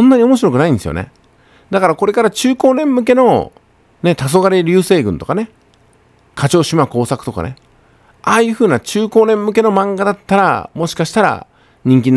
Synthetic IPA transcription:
õnːaɲ̟io̞mo̞ɕ̬iɾo̞kɯ̟naĩnd̪esɨjone̞̰ | d̪akaɾako̞ɾe̞kaɾat͡ɕɨːko̞ːnẽ̞mːɯ̟k̬e̞no̞ | ne̞t̪as̬o̞ɡaɾeɾʲɯːse̞ːɡɯ̟̃nt̪o̞kane̞ | kat͡ɕo̞ːɕimako̞ːsakɯ̟t̪o̞ka̰ne̞̰ | aːjɯ̟ːɸɯ̟ːnat͡ɕɨːko̞ːnẽ̞mːɯ̟ke̞no̞mãŋɡad̪at̪ːaɾa̰mo̞ɕi̥kaɕi̥t̪aɾa̰ | ɲ̟ĩŋk̬ʲĩnː

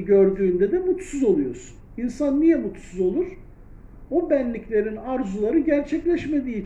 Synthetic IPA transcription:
ɟø̞ɾd̪yːnd̪ɛd̪ɛmut̪suzo̞lˠujo̞ɾz̥uninsanːijɛmut̪suzo̞lˠuɾ̥ | obænlʲiclʲe̞ɾinaɾzulˠaɾɯɟæɾt͡ʃʰɛclʲɛʃme̞d̪iː

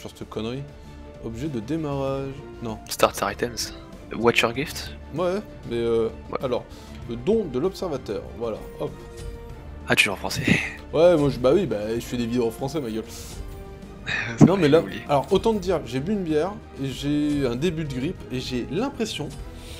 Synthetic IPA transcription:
syʁsəkɔnʁi | ɔbʒɛd̪əd̪emaʁaʒ | nɔ̃st̪aʁsaʁit̪ɛns | wat͡ʃɛʁɡift̪ | wɛ | mɛø | wɛ̰alɔ̰ʁ | ləd̪ɔ̃d̪əlɔpsɛʁvat̪œ̰ːʁvwala̰ | ɔp | at̪yʒuɑ̃fχɑ̃sɛ | wɛmwaʒbawibaʒəɥid̪evid̪eoɑ̃fχɑ̃sɛmaɡœl | snɔ̃mɛlaublḭealɔʁot̪ɑ̃d̪əd̪iʁʒebyːnbjɛʁ | eʒeɛ̃d̪ebyd̪əɡʁipeʒelɛ̃pχesjɔ̃

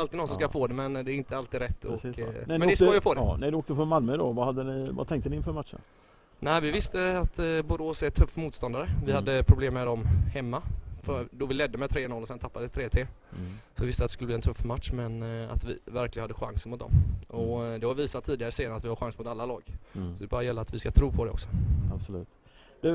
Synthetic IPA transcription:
alt̪ɪd̪nɔnsɔmskafoːd̪ɛmɛnd̪ɛæɾɪnt̪əalt̪iːd̪ɾɛt̪ːɔmɛnd̪ɛsojafoːd̪nɛd̪oːkt̪əfɔnmalməd̪ɔ̰vahad̪ːənɪva̰t̪ʰɛŋk̚t̪ənɪɪnfœɾmatʂə̰n | næɪvɪvɪst̪əat̪bʊɾoːsɛt̪ʰɵfːmuːt̪st̪ɔnd̪aɾəvɪhad̪ːəpʰɾʊbleːmːɛd̪ɔmhɛmːafœɾdɔvɪlɛd̪ːəmɛt̪ʰɾeːnɔlːɔsɛnt̪ʰapːad̪əɛt̪ʰɾeːt̪ʰeː | sɔɪvɪst̪at̪ɛskɵləb̪liɛnt̪ʰɵfːmat̪ʂmɛna̰t̪vɪ̰væɾklɪənad̪ːəɧa̰ŋsənmʊt̪d̪ɔ̰mʔɔd̪ɛhaviːsat̪ʰːiːd̪ɪaɾəseːnat̪vɪhaɾɧaŋsmʊt̪alːalɑːɡ̥sɔd̪ɛbɑːɾajɛlːəɾat̪vɪskat̪ʰɾuːpʰɔd̪ɛɔ̰ksɔ̥absɔlʉ̟ːt̪ | d̪̥ʉ

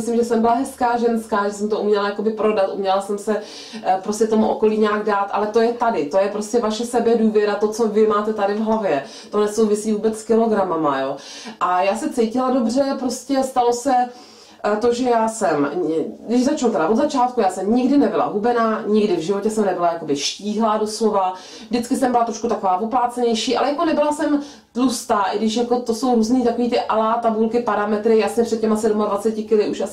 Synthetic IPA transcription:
ɪslɪmʒɛsɛmbɪlaɦɛskaːʒɛnskaːʒɛsɛmt̪oumɲɛlajako̞bɪpɾo̞dat̪ʔṵmɲɛlasɛmsɛ | pɾoscɛt̪o̞muʔoko̞liːɲaːɡdaːt̪ʔa̰lɛt̪o̞jɛt̪adɪt̪o̞jɛpɾoscɛvaʃɛsɛbɛduːvjɛɾat̪o̞t͡sovɪmaːt̪ɛt̪adɪvɦlavjɛ | t̪o̞nɛso̞wvɪsiːvuːbɛt͡sskɪlo̞ɡɾamamajo̞ːʔajaːsɛt͡sɛjcɪlado̞br̝ɛpɾo̞scɛst̪alo̞sɛ | t̪o̞ʒɛjaːsɛmɡdɪʃzat͡ʃnult̪ɛɾavod̪zat͡ʃaːt̪kujaːsɛmɲɪɡdɪnɛbɪla̰ɦubɛnaːɲɪɡdɪvʒɪvo̞cɛsɛmnɛbɪlajako̞bɪʃciːɦlaːdo̞slo̞va | vdɪt͡skɪsɛmbɪlat̪ɾo̞ʃkut̪ako̞vaːvoplaːt͡sɛɲɛjʃiːʔalɛjako̞nɛbɪlasɛm | t̪lust̪aːʔɪɡdɪʃjako̞t̪oso̞wɾuːzniːt̪ako̞viːt̪ɪʔalaːt̪abulkɪpaɾamɛt̪ɾɪjasɲɛpr̥ɛt̪̚cːɛmasɛdumadvat͡sɛcɪkɪlɪʔuʃʔasɪ

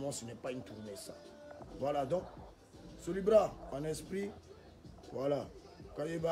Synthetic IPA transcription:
mɔ̃sənɛpaĩnt̪uɾmɛsa̰vwalad̪ɔ̃k | solibɾaãnɛspɾi | vwala | kãjeba

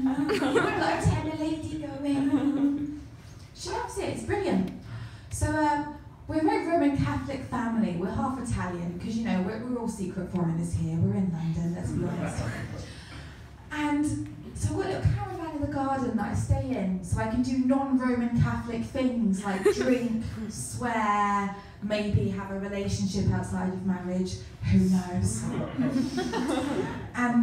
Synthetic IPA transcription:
wə̃nlaɪtʰɛ̃nəleɪdinoʊɪmĩn | ʃiapshɪɪtsb̥ɹɪljə̃nʔ | soʊʌm | wɪɹənɹə̃ʊ̃mə̃nkʰaθlɪkfãmliwɪɹɦɑˑfɪtʰaljə̃nkʰɒzjənoʊwɪwɪɹɔːlˠsiˑkʰɹətfɔɹɪ̃nəz̥hɪəwɪɹɪ̃nlʌ̃ndə̃nlə̰tsb̥iɔ̰nɪ̰st | ə̃n | səʊwɪlʊkkʰːaɹəvãnə̃vðəɡɑːdⁿn̩ðətɪ̰̥steɪɪ̃ŋsəʊaɪkʰə̃ndənɒ̃nɹəʊmə̃nkʰaθlɪk̚θɪ̃ŋzlaɪk̚d̥ɹĩkˠswɛː | meɪbiəvəɹɪleɪʃə̃nʃɪpaʊtsaɪdəvmaɹɪd̥ʒ̥ | hʉːnoʊz̥ | ʔə̃n

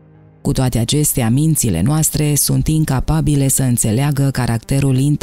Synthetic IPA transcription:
kut̪oat̪eat͡ʃe̞st̪eamint̪sile̞̰noast̪ɾe̞sunt̪iŋkapabile̞səɨnt̪se̞leaɡəkaɾʔakt̪e̞ɾulint̪

